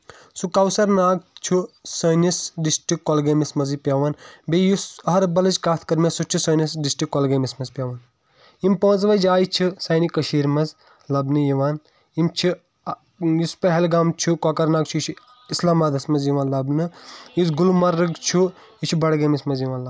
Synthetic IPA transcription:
sukɐwsɐɾnaːɡ̚t͡ʃʰusɐːnisɖisʈikːɔlɡeːmismɐzipʲjaːʋɐːnbejusɐɦɐɾbɐlɐt͡ʃkaːt̪ʰkɐɾmesut͡ʃʰusɐːnisɖisʈikːɔlɡeːmismɐzpʲjaːʋaːn | impə̃ːnzʋɐd͡ʒaːjit͡ʃʰisɐːnikɐʃiːɾmɐz | lɐbnɨjiʋaːn | imt͡ʃʰi | jispɐɦɛlɡaːmt͡ʃʰukoːkɐɾnaːɡ̚t͡ʃʰuit͡ʃʰu | islaːmaːd̪ɐsmɐzjiʋãːnlɐbnɨjizɡulmɐɾɨɡt͡ʃʰu | it͡ʃʰubɐɽɡeːmismɐzjiʋãːnlɐ

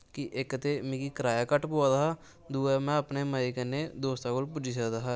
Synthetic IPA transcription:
kiʔekːət̪emĩkikɾaːjakəʈpoːd̪aɦaː | d̪uːɛmɛ̃əpneməikened̪oːst̪ãkoːlp̬ʊd͡ʒis̬əd̪aɦa

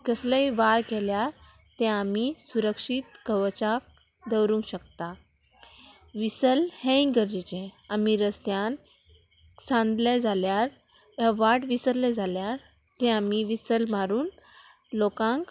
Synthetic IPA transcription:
kəsləiʋaɾkɛljaɾt̪ɛ̃amisuɾəkʂit̪kəʋt͡ɕak̚ | d̪əwɾũŋkɕək̚t̪a | ʋisəlhɛ̃ĩŋɡəɾd͡ʑit͡ɕɛ̃amiɾəst̪jan | sãnd̪lɛd͡zʱaljaɾ | aʋaʈʋisəɾlɛd͡zʱaljaɾ | t̪ɛ̃amiʋisəlmaɾuːn | lɔkãŋk

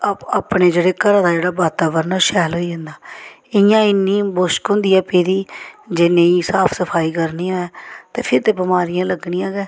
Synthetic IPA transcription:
apɳeːd͡ʒeːɽeːkəɾãːd̪aːd͡ʒeːɽaːbaːt̪aːʋəɾnaːʃɛːlɦoːiːə̃nd̪aː | ɪjãːɪnːiːboːʃkɦʊ̃nd̪iːɛːpeːd̪iːd͡ʒɪnẽːiːsaːpʰsəpʰaːiːkəɾniːãɛːt̪eːpʰɪɾt̪eːbɪmaːɾɪjãːləɡɽiːãːɡɛː

